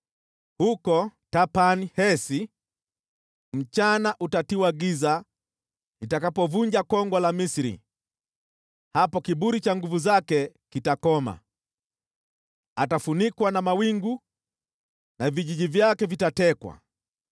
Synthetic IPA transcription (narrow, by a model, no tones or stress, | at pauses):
hukɔtapanihɛsi | m̩t͡ʃanaʔutatiwaɡiza | itakapɔvuɲd͡ʒakɔŋɡwalamisiɾḭ | hapɔkiɓuɾit͡ʃaŋɡuvuzakɛ | kitakɔma̰ | atafunikwanamawiŋɡu | naviʄiʄivjakɛvitatɛkwa̰